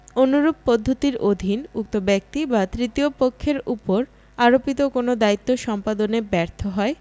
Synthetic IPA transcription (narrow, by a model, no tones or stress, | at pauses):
onuɾub̚pod̪ʱːot̪iɾod̪ʱinuk̚t̪obɛk̚t̪ibat̪ɾit̪iopokʰːeɾupoɾ | aɾopit̪okonod̪ait̪ːoʃɔmpad̪onebɛɾt̪ʰoɦɔe